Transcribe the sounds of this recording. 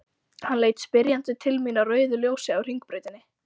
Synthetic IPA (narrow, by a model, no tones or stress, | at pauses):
hanleːjt̪spɪɾjant̪ʏt̪ʰɪlmiːnarœːɥðʏljoːwsɪawr̥iŋk̚pɾœːɥt̪ɪnːɪ